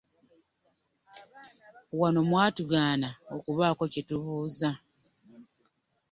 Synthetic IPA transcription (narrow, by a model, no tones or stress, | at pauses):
wano̞mwaːtuɡaːnaokuβaːkocituβuːza